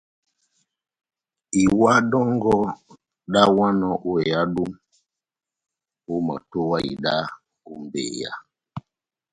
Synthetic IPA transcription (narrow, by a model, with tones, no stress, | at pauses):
i˨wa˦ɗɔ˦ŋɡɔ˦ | ɗa˦wa˦nɔ˨ʔu˦ɛ˨ja˦ɗu˦m | u˦ma̰˨to˦wa˦ḭ˨ɗa˦ | u˦m˨bḛː˨ja̰˦